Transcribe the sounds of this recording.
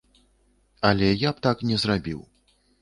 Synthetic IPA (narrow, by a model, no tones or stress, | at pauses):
ɐlʲɛjapt̪aknʲɛzrabʲḭw